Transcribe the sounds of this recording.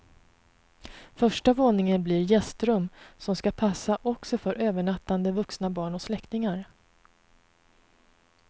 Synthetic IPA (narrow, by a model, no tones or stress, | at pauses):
fœʂʈavoːnɪŋənblɪɾjɛst̪ɾɵmːsɔmskapʰasːaʔɔksɔfœɾʔøːvəɳat̪ːand̪əvɵksnabɑːɳɔslɛkt̪ɪŋaɾ